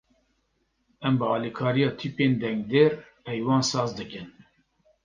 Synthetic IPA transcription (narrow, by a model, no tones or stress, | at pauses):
ɛmbəɑːlikʰɑːɾijɑːt̪ʰiːpeːnd̪ɛŋɡd̪eːɾpʰɛjwɑːnsɑːzd̪ɨkɨn